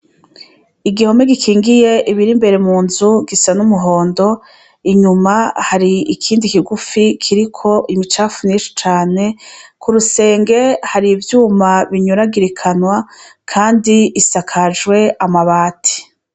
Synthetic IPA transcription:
iɡiho̞me̞ɡikʰiːŋɡije̞ʔiβiɾimbe̞ɾe̞muːnzuɡisanumuɦo̞ːndo̞ | iɲumahaɾiikʰiːndikiɡufikʰiɾikʰo̞ʔimit͡ʃaːfuniʃu̥t͡ʃaːne̞kuɾuse̞ːŋɡe̞haɾivjuːmaβiɲuɾaɡiɾikʰanwakʰaːndiisakʰad͡ʒɡwe̞amaβaːtʰi̥

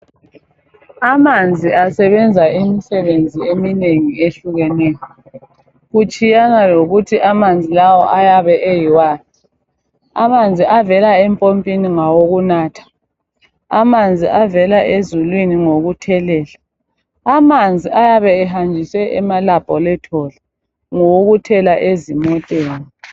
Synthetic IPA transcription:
amand͡zʱiasɛβɛnd͡zʱaimisɛβend͡zʱiemineŋieɬuɣɛnɛːjɔ | ɣut͡ʃʼijanaloɣutʰiʔamand͡zʱilawɔ̰ʔajaβɛʔejiwaːzi | a̰mand͡zʱiʔavɛlaɛmpʼompʼiniŋawoɣunaːtʰḁ | amand͡zʱiʔavɛlaʔezulwiniŋoɣutʰɛlɛːlaː | mand͡zʱiajaβɛɛɦand͡ʒʱisɛʔɛmalab̥ʱʼɔlɛtʰɔlɛ | ŋoɣutʰɛlaʔezimɔtʼeːni

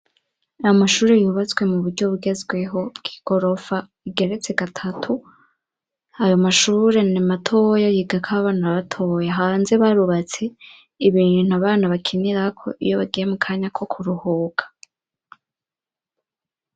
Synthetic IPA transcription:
ajomaʃuːɾejuːβat͡sɡwe̞muβuɾɟo̞βuɡe̞zɡwe̞ɦo̞ɡ̥i̥ɡ̥o̞ɾo̞fa | iɡe̞ɾe̞t͡se̞ɡatʰatʰu | ajo̞maʃuːɾe̞nimatʰo̞jajiɡakʰaβaːnaβatʰo̞jaɦaːnze̞βaɾuβat͡se̞ | iβiːn̥uaβaːnaβakʰiniɾakʰo̞̰ʔḭjo̞βaɡijemukʰaːɲakʰo̞kʰuɾuhuːɡḁ

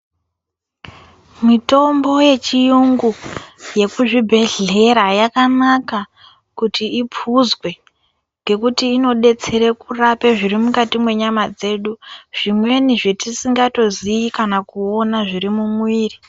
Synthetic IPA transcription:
mito̞mbo̞je̞t͡ʃijuŋɡuje̞kuʐibʱe̞ɮe̞ɾajakanaka | kutʰiipʰuzwe̞ | ŋɡe̞kutiːno̞ɗe̞t͡se̞ɾekurape̞ʐiɾimukatimwe̞ɲamad͡ze̞ːɗuʐ̥imwe̞niʐetisiŋɡato̞ziikanakuo̞naʐirimumwiːri

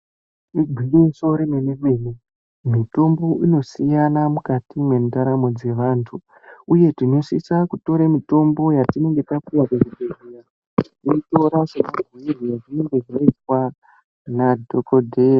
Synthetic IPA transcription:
iɡʱiriso̞ɾimemimene | mito̞mbo̞ʔino̞sijanamukatime̞ndaɾamo̞d͡ze̞ʋaːntʰuː | je̞tiɲosisakuto̞ɾemito̞mbo̞jatine̞ŋɡe̞takuakekekerija | iito̞ɾaʐemaɡʱuirijatineŋɡeʐaitwa | nadʱokodʱeja

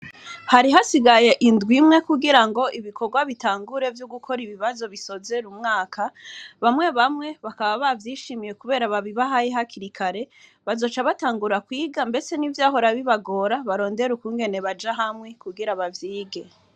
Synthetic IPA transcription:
haɾiɦasiɡaje̞ʔindɡwimŋe̞kuɡiɾaŋɡo̞ʔiβiko̞ɾɡwaβitaːŋɡuɾe̞vjoɡukʰo̞ɾiβiβazo̞βiso̞ze̞ɾumŋaːkʰaβamŋe̞βamŋe̞βakaβaβavjiːʃimije̞kuβe̞ːɾaβaβiβaɦajeɦakiɾikʰaɾe̞ | βazo̞t͡ʃaβataːŋɡuɾakwiːɡambe̞t͡se̞nivjaːɦo̞ɾaβiβaɡo̞ːɾaβaɾo̞ːnde̞ɾukuːŋɡe̞ne̞βad͡ʒaɦamŋe̞kuɡiɾaβavjiːɡe̞

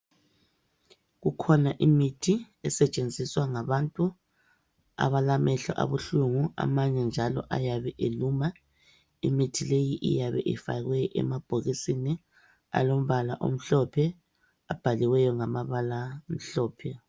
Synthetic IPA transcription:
ɣukʰɔnaʔimitʰi | ɛsɛt͡ʃʼend͡zʱiswaŋaβantʼu | a̰βalamɛɬɔ̰ʔa̰βuɬuŋua̰maɲɛnd͡ʒʱalɔ̰ʔajaβɛʔeluːma | imitʰilejiʔḭjaβɛ̰ʔḭfa̰ɣwɛʔɛ̰mab̥ʱoɣisini | a̰lom̩βalaʔo̰m̩ɬɔpʰɛ | ab̥ʱaliwɛjɔŋamaβalam̩ɬɔːpʰɛ

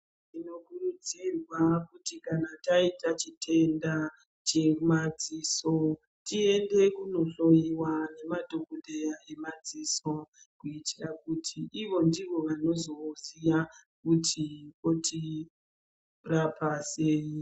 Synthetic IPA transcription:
tino̞kurud͡zirwakutikanataitat͡ʃitʰe̞nda | t͡ʃe̞mad͡ziso̞ | tie̞nde̞kuno̞ɬo̞jiwane̞madʱokodejae̞mad͡ziso̞ | kuitirakutʰiʔiʋo̞ndiʋo̞ʋano̞zo̞sija | kutʰikotʰi | rapase̞ːji

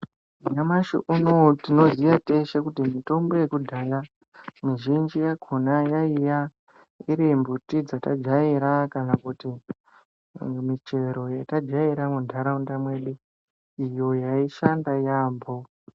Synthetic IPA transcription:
iɲamaʃḭʔunotino̞ziʋate̞ʃakutimito̞mbo̞je̞kudʱaja | miʒind͡ʒijaɡʱonajaija | iɾimbutid͡zata̰d͡ʒaiɾakanakuti | mit͡ʃe̞ɾo̞jatad͡ʒaiɾamudʱaɾaundamwe̞ɗu | ijo̞jaiʃandajaːmbo

